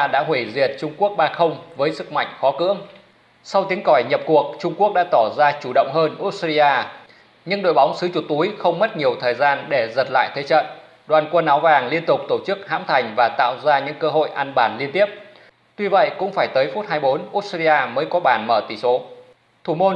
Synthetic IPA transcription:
a˧ɗa̰ː˧˥ɦwi˧˩zi˨˩ət̚t͡ɕʊ˧ŋ͡mku˦˥ək̚ɓaː˧xə˧wŋ͡mvəː˨˦jsɨ˨˩k̚ma̰˧˨jŋ̟xɔ˨˦kɨ̰˧˥əŋ | sa˧wt̪i˨˦əŋkɔ˧˩jɲə˨˩p̚ku˨˩ək̚t͡ɕʊ˧ŋ͡mku˦˥ək̚ɗa̰ː˧˥t̪ɔ˧˩zaː˧t͡ɕu˧˩ɗə̰˧˨wŋ͡mɦəː˧nʔu˦˥t̚si˧ʔaː˧ | ɲɨ˧ŋɗo̰˧˨jɓa˨˦wŋ͡msɨ˨˦t͡ɕʊ˨˩t̪u˨˦jxə˧wŋ͡mmə˦˥t̚ɲi˨˩əwt̪ʰəː˨˩jzaː˧nɗe˧˩zə˨˩t̚la̰ː˧˨jt̪ʰe˨˦t͡ɕə̰˧˨n | ɗwaː˨˩nkwə˧nːaː˨˦wvaː˨˩ŋli˧ənt̪ʊ˨˩k͡p̚t̪o˧˩t͡ɕɨ˦˥k̚ha̰ː˧˥mt̪ʰa˨˩jŋ̟vaː˨˩t̪a̰ː˧˨wzaː˧ɲɨ̰˧˥ŋkəː˧ɦo̰˧˨jʔaː˧nɓaː˧˩nli˧ənt̪i˦˥əp̚ | t̪wi˧və̰˧˨jkʊ̰˧˥ŋ͡mfaː˧˩jt̪əː˨˦jfu˦˥t̚haː˧jɓo˨˦nʔu˦˥t̚si˧aː˧məː˨˦jkɔ˨˦ɓaː˧˩nməː˧˩t̪i˧˩so˨˦ | t̪ʰu˧˩mo˧

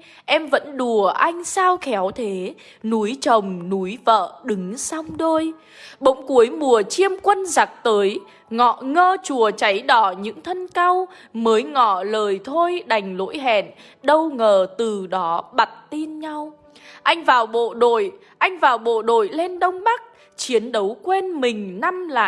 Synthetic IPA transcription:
ʔɛ˧mvə̰˧˥nɗu˨˩əʔa˧jŋ̟saː˧wxɛ˨˦wt̪ʰe˨˦ | nu˨˦jt͡ɕə˨˩wŋ͡mnu˨˦jvə̰ː˧˨ɗɨ˨˦ŋsa˧wŋ͡mɗo˧j | ɓə̰˧˦˥wŋ͡mku˨˦əjmu˨˩ət͡ɕi˧əmkwə˧nza˨˩k̚t̪əː˨˦j | ŋɔ̰˧˨ŋəː˧t͡ɕu˨˩ət͡ɕa˨˦jɗɔ˧˩ɲɨ̰˧˥ŋt̪ʰə˧nka˧w | məː˨˦jŋɔ̰˧˨ləː˨˩jt̪ʰo˧jɗa˨˩jŋ̟lo̰˧˥jɦɛ̰˧˨n | ɗə˧wŋəː˨˩t̪ɨ˨˩ɗɔ˨˦ɓa˨˩t̚t̪i˧nɲa˧w | ʔa˧jŋ̟vaː˨˩wɓo̰˧˨ɗo̰˧˨j | ʔa˧jŋ̟vaː˨˩wɓo̰˧˨ɗo̰˧˨jle˧nɗə˧wŋ͡mɓa˦˥k̚ | t͡ɕi˨˦ənɗə˨˦wkwe˧nmï˨˩ŋ̟na˧mla̰ː˧˨

